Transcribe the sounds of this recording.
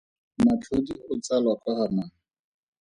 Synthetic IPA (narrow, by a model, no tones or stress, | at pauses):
mat͡ɬʰodiʊt͡salwakʼahanaːŋ̩